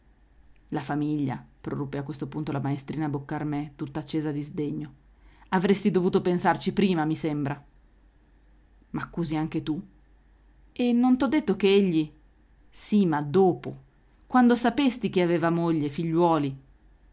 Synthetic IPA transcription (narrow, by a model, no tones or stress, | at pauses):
lafamiʎːa̰pɾo̰rupːeakwest̪opunt̪olamaest̪ɾiːnabokːarmɛt̪ut̪ːaːt͡ʃːeːzad̪izd̪eɲːo | avɾest̪id̪ovuːt̪opensart͡ʃipɾiːmamisembɾa | makːuːziaŋk̟et̪u | enːont̪ɔd̪ːet̪ːok̟eeʎːi | simad̪oːpo | kwand̪osapest̪ik̟iaveːvamoʎːefiʎːwɔːli